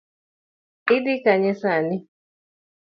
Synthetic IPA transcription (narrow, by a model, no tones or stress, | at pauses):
iɗikaɲɛsani